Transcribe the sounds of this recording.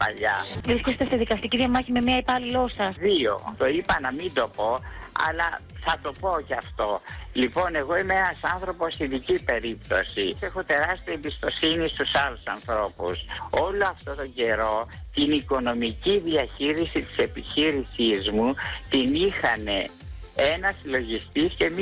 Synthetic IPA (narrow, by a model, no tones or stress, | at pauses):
pɐ̰ʎɐisçest̪est̪iðikɐst̪iciðiʝɐmɐçimemiɐepɐlilo̞sɐðio̞̰t̪o̞ipɐnɐmind̪o̞po̞ɐ̰lɐ | θɐt̪o̞po̞cɐft̪o̞lipo̞ne̞ɣo̞imeenɐsɐnθɾo̞po̞st̪iðicipe̞ɾipt̪o̞sise̞xo̞t̪e̞ɾɐst̪iɐembist̪o̞sinist̪usɐlusɐ̰nθɾo̞pṵso̞lo̞ɐft̪o̞t̪o̞ɲɟe̞ɾo̞t̪iniko̞no̞miciðiɐçiɾisit̪i̥se̞piçiɾisizmut̪inixɐne̞ | e̞nɐsilo̞ʝist̪isce̞m